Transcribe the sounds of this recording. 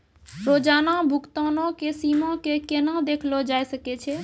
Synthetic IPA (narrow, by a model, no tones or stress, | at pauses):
ɾoːd͡ʒaːnabʱʊkt̪anõkesiːmãkekenad̪eːkʰlod͡ʒaːjsəket͡ʃʰe